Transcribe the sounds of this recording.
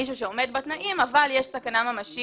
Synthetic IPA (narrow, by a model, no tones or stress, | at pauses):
iʃ̬uʃeo̞me̞d̪bat̪naʔimavaljeʃsakanamamaʃi